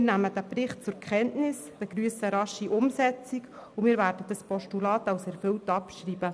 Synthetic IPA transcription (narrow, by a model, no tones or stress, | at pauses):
næməd̥æprɪχt̚t͡sʊɾkʰχɛntnɪsd̥əɡ̥ɾyəsəɾɑʃiʔʊmsɛt͡siɡʊmɪːɾvæːɾdəd̥ɑspʰɔʃtulɑːtɑwsɛɾfʏltɑpʃriːb̥ə